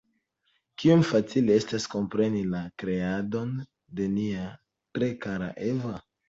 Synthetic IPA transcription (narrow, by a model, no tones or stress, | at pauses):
kiomfat͡sile̞e̞stasko̞mpɾe̞nilakɾe̞ado̞n | de̞nia | tɾe̞kaɾa̰ʔeva